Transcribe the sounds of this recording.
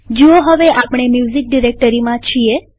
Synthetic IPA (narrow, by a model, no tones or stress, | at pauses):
d͡ʒoɦəʋeʔapɽ̃emjuzik̚ɖiɾek̚ʈəɾimãt͡ʃʰie